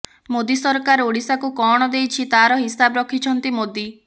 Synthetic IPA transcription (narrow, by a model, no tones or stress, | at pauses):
mod̪isɔɾkaɾoɽisakukɔɽ̃ɔd̪ejt͡ʃʰit̪aɾɔɦisabɔɾɔkʰit͡ʃʰɔnt̪imod̪i